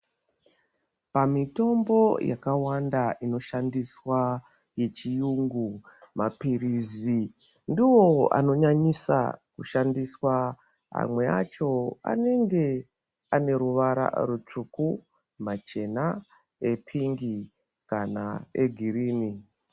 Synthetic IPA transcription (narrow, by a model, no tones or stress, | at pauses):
pamito̞mbo̞jakawandaʔino̞ʃandiswa | je̞t͡ʃijuŋɡu | mʔapirizi | ndiwo̞a̰no̞ɲaɲisa̰kuʃandiswa | a̰mwe̞a̰t͡ʃo̞a̰ne̞ŋɡe̞ | ane̞ɾuʋaɾa̰rut͡ʂuku | mat͡ʃe̞na | e̞pʰiŋɡi | kana̰eɡʱiriːni